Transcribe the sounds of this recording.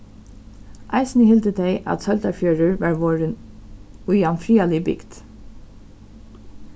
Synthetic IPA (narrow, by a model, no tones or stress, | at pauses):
ʔa̰ɪsnəhɪlt̪əd̪ɛɪʔa̰t̪sœlt̪afjœːɹəɹʋɑːɹʋoːɹən | ʊjanfɹiːalɪbɪ̰ɡd̪̥